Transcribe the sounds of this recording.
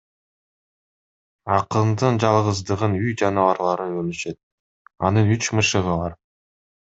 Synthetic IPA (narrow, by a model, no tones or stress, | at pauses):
ɑqənd̪ɯnd͡ʒɑlˠʁəzd̪ɯʁənyjd͡ʒɑnɑɑɾlˠɑɾɯønyʃe̞t̪̚ | ɑ̰nɯnyt͡ʃmɯʃɯʁəβɑɾ